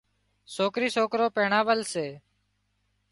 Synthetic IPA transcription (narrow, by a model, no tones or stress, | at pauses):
soːkɾiːsoːkɾoːpeːɳaːʋəlseː